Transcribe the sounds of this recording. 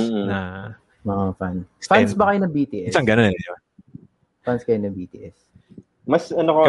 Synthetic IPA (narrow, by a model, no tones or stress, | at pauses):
a | ɐafanfasbɐkɐjonɐbiːt̪iʔɛsɐŋɡɐnonɛ | fanskɐjonɐbiːt̪iʔɛs | mɐsɐnoko